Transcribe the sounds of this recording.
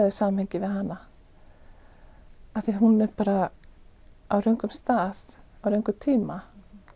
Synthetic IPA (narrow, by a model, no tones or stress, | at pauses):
ðɪsaːmhɛjɲcɪvɪðɦanːa | aθiɦunɛɾpaːɾa | awɾœɥŋkʏmst̪aːðawɾœjŋkʏt̪ʰiːma